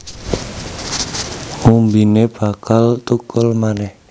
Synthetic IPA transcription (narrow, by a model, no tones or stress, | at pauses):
umbineb̥a̤kalt̪ukʊlmanɛh